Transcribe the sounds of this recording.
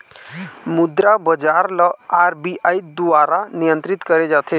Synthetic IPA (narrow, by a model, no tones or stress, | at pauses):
mud̪ɾabəd͡ʒaɾləaɾbiaid̪uaɾanijə̃nt̪ɾit̪kəɾed͡ʒat̪ʰe